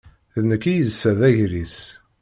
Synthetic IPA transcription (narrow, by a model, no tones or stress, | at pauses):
ðnəkːijəzsːæðæʝɾis